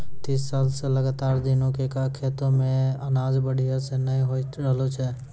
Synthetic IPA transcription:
t̪iːsːalseləɡaːt̪aɾd̪inõkekakʰet̪omẽənad͡ʒbəɽ̤ʱijasenəĩɦot̪ɾəɦlot͡ʃʰɛ

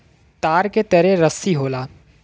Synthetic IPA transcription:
t̪aːɾket̪ɐɾeɾɐsiɦoːlaː

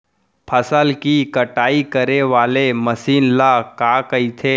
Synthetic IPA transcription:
pʰəsəlkikəʈaːikəɾeʋaːleməsiːnlakakəit̪ʰe

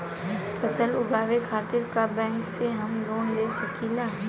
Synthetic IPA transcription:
pʰɐsəlʊɡaːʋekʰaːt̪ɪɾkabɛ̃ːŋkseɦɐmloːnleːsɐkinaɦ

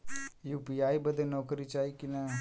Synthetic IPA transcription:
juːpiːaːibəd̪enɔːkəɾit͡ʃaːikina

